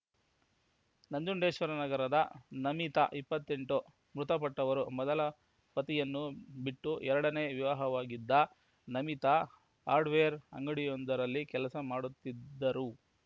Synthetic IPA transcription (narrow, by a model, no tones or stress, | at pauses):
nɐɲd͡ʒuɳɖeːʃʋɐɾɐnɐɡɐɾɐd̪ɐnɐmit̪ɐ̰ʔipːɐt̪ːeɳʈu | mɾut̪ɐpɐʈːɐʋɐɾumɔd̪ɐlɐ | pɐt̪ijɐnːubiʈːuʔɛɾɐɽɐneʋiʋaːɦɐʋaːɡid̪ːɐ | nɐmit̪ɐ | ɦaːɾɖʋeːjɐɾɐ̰ŋɡɐɽijond̪ɐɾɐlːikɛlɐsɐmaːɽut̪ːidd̪ːɐɾu